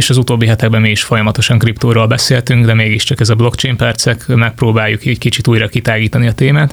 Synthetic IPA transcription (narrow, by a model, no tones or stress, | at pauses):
eːʃɒzut̪oːbːiɦɛt̪ɛɡ̚bɛmːiiʃfo̞jɒmɒt̪oʃɒŋkript̪oːɾoːlbɛseːlt̪yŋɡd̪ɛmeːɡiʃt͡ʃɒkɛzɒblo̞kt͡ʃejmpɛrt̪sɛkmɛk̚proːbaːjukɛckit͡ʃit̪uːjɾɒkit̪aːɡiːt̪ɒniɒt̪eːmaːt̪